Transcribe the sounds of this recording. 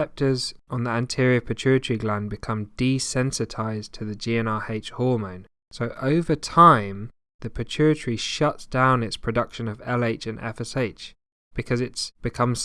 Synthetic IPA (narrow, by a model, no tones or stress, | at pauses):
ɛp̚tʰəzʔə̃n̩ðiæ̃ntʰɪɹiəpʰɨt͡ʃʰʉɹɨtəɹ̥iɡlæ̃nbɨkʰʌ̃md̥isɛ̃nsɨtʰaɪztʰəðɨd͡ʒiɛ̃nɑeɪt͡ʃhɔːmə̃ʊ̃n | səʊʔəʊvətʰãɪ̃m | ðɨpʰɨt͡ʃʰʉɹɨtəɹiʃʌtsd̥ãʊ̃nɪtspʰɹ̥ɨdʌkʃə̃nəvɛleɪt͡ʃɨ̃nʔɛ̰fɛseɪt͡ʃ | b̥ɨkʰʌzɪtsb̥ɨkʰʌ̃mz̥